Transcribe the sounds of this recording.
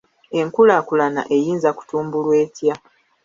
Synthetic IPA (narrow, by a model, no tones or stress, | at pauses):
e̞ŋkulakulana̰ʔe̞jiːnzaku̥tuːmbulwe̞ːtja